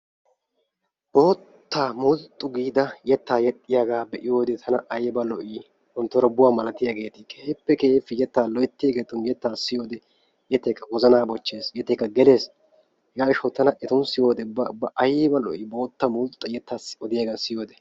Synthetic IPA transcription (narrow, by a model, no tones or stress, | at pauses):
bo̞ːt̪ːaːmʊlt̪ʼːʊɡiːd̪ɐjɛt̪ːaːjɛt̪ʼːɪjaɡaːbɛʔɪjo̞ːd̪ɛt̪ʰɐnɐʔɐjbɐlɔʔɪ | hɔnt̪ːɔɾɔbʊwaːmɐlɐt̪ɪjaɡe̞ːt̪ɪkeːpːɛkeːfːɪjɛt̪ːaːlɔjt̪ːɪjaːɡeːt̪ʊnjɛt̪ːaːsɪjo̞ːd̪ɛ | jɛt̪ːɛkːɐɡɔzɐnaːbɔt͡ʃːe̞ːsjɛt̪ːɛːkːɐɡɛle̞ːs | ɡaːɪʃɐwt̪ɐnɐʔɛt̪ʊnsɪjo̞ːd̪ɛbɐbːɐʔɐjbɐlɔ̰ʔɪbo̞ːt̪ːɐmʊlt̪ʼːɐjɛt̪ːaːsɔd̪ɪjaːɡaːsɪjo̞ːd̪ɛ